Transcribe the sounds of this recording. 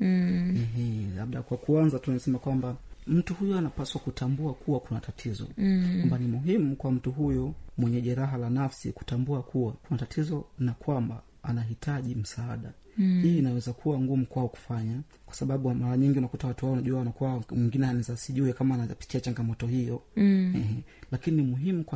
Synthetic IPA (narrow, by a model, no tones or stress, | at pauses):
ɦ̩la̰ɓɗakwakuanzatunisɛmakwambam̩tuhujɔanapaswakutʰambuakʰuwakunatatʰizɔ̰kwambanimuɦimukwam̩tuɦujɔmwɛɲɛʄɛɾaɦalanafsḭku̥tambuakʰuwakunatatʰizɔnakwamba̰ | anaɦitʰaʄim̩saaɗahiːnawɛzakʰuwaŋɡumukwaɔku̥faɲa | kwḁsaɓaɓumaɾaɲiŋɡiunakutawatuhwaɔnaʄuawanakuamwiŋɡinɛhanɛzasiʄuɛkamaːnapi̥kiat͡ʃaŋɡamɔtɔhijɔhɛɦɛlakininimuɦimuk